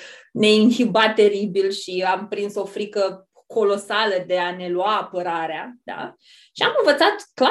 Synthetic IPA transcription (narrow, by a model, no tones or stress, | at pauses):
ne̞inhibat̪ːe̞ɾibilʃiampɾinso̞fɾikə | ko̞lo̞saləd̪e̞ane̞luaːpəɾaɾead̪̥a̰ | ʃiamɨnvət̪sat̪kla